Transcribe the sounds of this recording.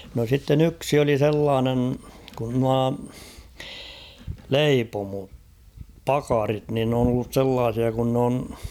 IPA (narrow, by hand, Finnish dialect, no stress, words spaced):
no sitːen yksi oli selːɑːnen kun nuɑ leipomo pɑkɑrit nin n oːn olːus selːɑːsiɑ kun n on